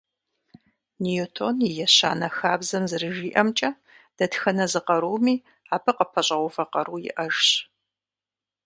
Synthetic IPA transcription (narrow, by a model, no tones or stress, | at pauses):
nijotʰo̰njɪjɛɕa̰ːnɐxaːbzɐmzɨrɨʒiːʔɐmt͡ʃʼɐ | d̥ɐtxɐnɐzɨqɐɾuːmiː | aːpʰɨqəpʰɐɕʼɐʁʷʊfɐqɐɾuːjɪ̰ʔɐʒɕ